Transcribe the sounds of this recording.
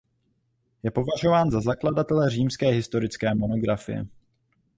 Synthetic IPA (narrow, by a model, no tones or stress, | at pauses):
jɛpo̞vaʒo̞vaːnzazakladat̪ɛlɛr̝iːmskɛːɦɪst̪o̞ɾɪt͡skɛːmo̞no̞ɡɾafɪ̰jɛ̰